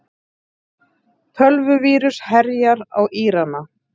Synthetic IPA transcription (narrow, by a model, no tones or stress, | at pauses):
t̪ʰœlvʏviːɾʏshɛɾjaɾa̰wʔiːɾana